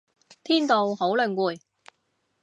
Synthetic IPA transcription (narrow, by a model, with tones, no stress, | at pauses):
t̪ʰiː˥nt̪o˨who˨˥wlɵ˨ŋkuː˨˩j